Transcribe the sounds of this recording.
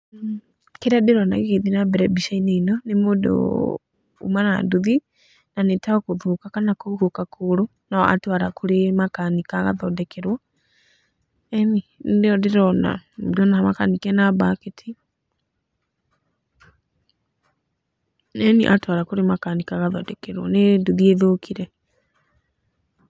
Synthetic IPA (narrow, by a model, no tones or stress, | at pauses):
keɾadeɾɔna̰kekeiðinabɛɾɛbiʃaineinɔnemudo̰ | ṵmana̰duði | nanetaɔkuðukakanakuhokakʰuɾu | naɔ̰a̰twaɾakuɾemakanikaɣa̰ðɔdɛkʰɛɾwɔ | ɛnindeɔdeɾɔna̰dɔnaamakanikɛnabaketʰi | nɛniʔatwaɾakoɾemakanikaɣaðɔdɛkɛɾwɔneduðieðokʰiɾɛ